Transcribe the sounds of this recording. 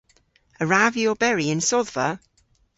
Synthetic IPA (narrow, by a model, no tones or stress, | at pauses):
əɹavjɔbɛɹiɪ̃nsɔðvə